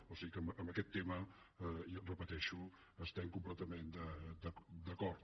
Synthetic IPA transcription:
osiikəməːmbəkɛt̪ːemə | rəpət̪ɛʃu | əst̪ɛmkumplɛt̪əmend̪əd̪əkd̪əkɔɾt̪

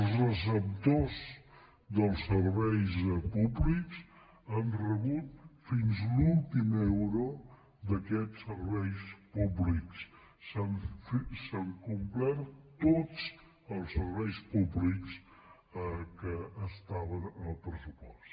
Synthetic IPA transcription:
əlˠzrəs̬əp̚t̪oz | d̪əlˠsəɾβɛjspubliks | ənrəβut̪̚finzlulˠt̪imɛwɾu | d̪əkɛtsəɾβɛjspubliks | sanfsəŋkumplɛɾt̪ot͡s | əlˠsəɾβɛjspubliks | kəːst̪aβənəlˠpɾəsupɔst̪

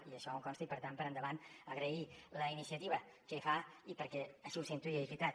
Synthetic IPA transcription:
iəʃɔuŋkɔnst̪əipəɾt̪ampəɾənd̪əβanəɣɾəiləinisiət̪iβəkəifaipəɾkɛəʃiusint̪uiəifit̪a

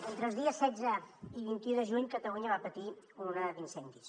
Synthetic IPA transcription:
ent̪ɾəlˠzðiəsːɛd͡zəiβint̪iuðəʒuɲkət̪əluɲəβapət̪i | unəd̪insɛnd̪is

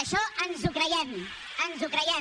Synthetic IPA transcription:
ʃɔʔənzukɾəjɛm | ənzukɾəjɛ

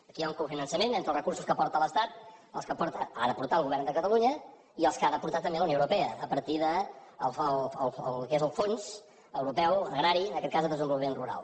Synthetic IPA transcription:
əkijauŋkufinənsəmenent̪ɾəlˠrəkuɾsu̥skəpɔɾt̪ələst̪at̪̚əlˠskəpɔɾt̪əa̰ðəpuɾt̪alɣuβɛɾnd̪əkət̪əluɲə | iəlˠskaðəpuɾt̪at̪ːəmbeləunowɾupɛəːpəɾt̪iðəlˠəələlˠkezəlˠfonz | əwɾupɛwəɣɾaɾiənəkɛt̪̚kazðəðəzəmbulˠimẽnruɾa̰lˠ

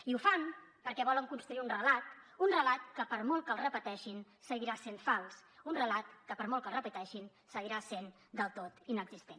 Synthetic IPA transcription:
iufanpəɾkɛβɔləŋkunst̪ɾuiunrəlat̪unrəlat̪kəpəɾmɔlˠkəlˠrəpət̪ɛʃin | səɣiɾasenfalˠsunrəlat̪kəpəɾmɔlˠkəlˠrəpət̪ɛʃin | səɣiɾasen | d̪əlˠt̪ot̪inəɡz̥ist̪en

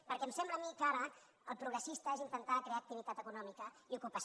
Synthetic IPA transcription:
pəɾkɛmsɛmbləːmikaɾə | əlˠpɾuɣɾəsist̪əezint̪ənt̪akɾeaək̚t̪iβ̞it̪at̪əkunɔmikəiukupəs

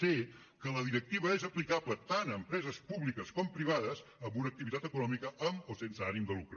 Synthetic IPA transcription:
e | kələðiɾək̚t̪iβəezəplikaβlət̪anəmpɾɛzəspuβlikəskɔmpɾiβ̞aðəzəmbunəkt̪iβit̪at̪əkunɔmikəʔəmosensəanimd̪əlukɾ

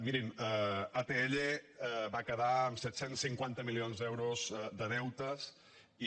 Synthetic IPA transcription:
miɾiməat̪eeʎebakəðaəmsɛt̪sensːiŋkwant̪əmilionzd̪ɛwɾozd̪əðɛwt̪əs | i

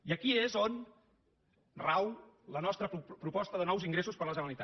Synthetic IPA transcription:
iəkiezon | raw | lənɔst̪ɾəpɾupɔst̪əðənɔwziŋɡɾesuspəɾləzənəlit̪a

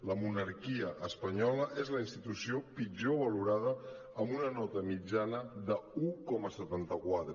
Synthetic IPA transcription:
ləmunəɾkiəʔəspəɲɔləʔezləinst̪it̪usiopid͡ʒoβəluɾað̞ə | əmbunənɔt̪əmid͡ʒanəðəukɔməsət̪ant̪əkwat̪ɾə

